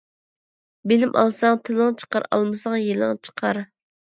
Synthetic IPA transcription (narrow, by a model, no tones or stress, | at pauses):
bɪlɪmʔɑ̰lˠsɑŋt̪ʰɨlˠɨŋt͡ʃʰə̥qɑɾɑ̰lˠmɨsɑŋjelˠɨŋt͡ʃʰə̥qʰɑɾ